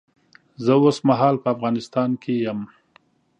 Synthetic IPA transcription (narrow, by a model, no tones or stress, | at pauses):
zəosmaɦɑːlpəafɣɑnɪst̪ɑnkʰejam